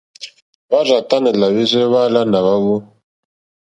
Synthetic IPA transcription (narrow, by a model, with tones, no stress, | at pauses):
βa˦za˨ta˦nɛ˨la˨βi˦zʷɛ˦βa˦la˦na˨βa˦βo˦